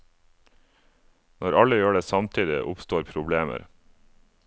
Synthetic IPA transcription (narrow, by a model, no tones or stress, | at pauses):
nɔɾɑləjøːɖeːsɑmt̪ʰiːd̪ɪ̰ʔʊ̰pst̪oːɾpʰɾʊbleːmə̰ɾ